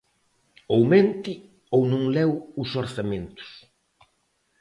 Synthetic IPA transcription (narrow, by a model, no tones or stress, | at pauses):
owmẽnt̪ɪ | ownõŋlɛwʊsoɾθamẽnt̪ʊ̥s